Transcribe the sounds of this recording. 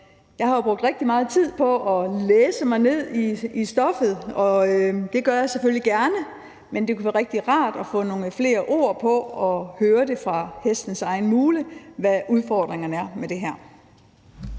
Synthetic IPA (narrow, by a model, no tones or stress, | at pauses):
jɑ̈ɪhɑ̈b̥ʁɔɡ̥d̥ʁeɡ̥̚d̥imɑ̈ːð̞̩ˠt͡sʰið̞̰ˠpʰɒ̽ʔɒ̽leːsəmɑ̈ɪne̝ð̞̰ˠiisd̥ɒ̽fð̞̩ˠɒ̽d̥e̝ɡ̥ɶɐjɑ̈ɪseføljiɡ̥æɐnə | mend̥ekʰuʋæːɐʁeɡ̥̚d̥iʁɑ̈ːd̥ɒ̽fɔ̰̽ːno̝ːŋəfle̝̰ːɐʔo̝̰ːɐ̰pʰɒ̽ɒ̽høːɐd̥e̝fʁɑ̈hesd̥n̩sɑ̈ɪn̩muːləʋæʔuð̞ˠfɒːd̥ʁeŋɐnəæɐmed̥e̝ɦæɐ̰